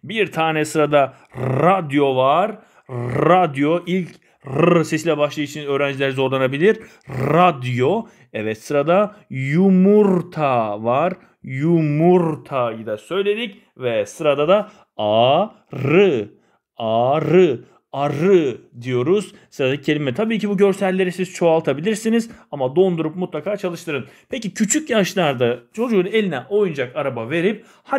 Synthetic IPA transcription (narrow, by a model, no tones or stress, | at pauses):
biɾt̪ʰaːnɛsɯɾad̪a | ɾad̪jo̞vaɾ | ɾad̪jo̞ʔilʲc | ɾɯsesilʲɛbaʃlˠɯjɯt͡ʃʰinø̞ːɾænd͡ʒilʲeɾizo̞ɾlˠanabilʲiɾ | ɾad̪jo | ɛvɛt̪sɯɾad̪ajumuɾt̪ʰavaɾ | jumuɾt̪ʰajɯd̪asø̞jlʲe̞d̪ic | vɛsɯɾad̪ad̪a | a | ɾɯ | aɾɯ | aɾɯd̪ijo̞ɾuz̥ | sɯɾad̪acʰe̞lʲimɛt̪ʰabiːcʰibuɟø̞ɾsælʲːe̞ɾisiz̥t͡ʃʰo̞alˠt̪ʰabilʲiɾsinizamad̪o̞nd̪uɾup̚mut̪lˠakʰaːt͡ʃʰalˠɯʃt̪ʰɯɾɯnpʰecicʰyt͡ʃʰycjaʃlˠaɾd̪at͡ʃʰo̞d͡ʒuːne̞lʲinɛʔo̞jund͡ʒakaɾabave̞ɾip̚ | ha